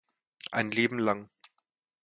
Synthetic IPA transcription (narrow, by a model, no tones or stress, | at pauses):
ʔa̰ɪnleːbm̩laŋ